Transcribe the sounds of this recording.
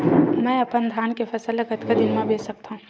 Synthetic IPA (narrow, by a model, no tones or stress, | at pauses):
mɛ̃ːɐpənd̪ʱjaːnkepʰɐsələkət̪kad̪ɪnmẽbʱeːsək̚t̪aɦũː